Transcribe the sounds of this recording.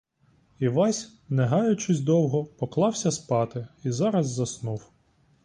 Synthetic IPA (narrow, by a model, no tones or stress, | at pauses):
iʋɑsʲ | nɛɦɑjʊt͡ʃɪsʲd̪ɔwɦɔpɔklˠɑwsʲɐspɑt̪ɪizɑɾɐzːɐsnuw